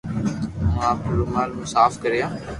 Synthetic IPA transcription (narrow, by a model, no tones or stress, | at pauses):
mãːpʊloːmaːlmũːsaːfkəɾjãː